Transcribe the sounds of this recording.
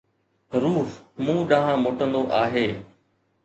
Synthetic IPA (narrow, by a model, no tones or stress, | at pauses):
ɾuːfmũːɗãːɦãmoːʈə̃nd̪oʔaːɦeː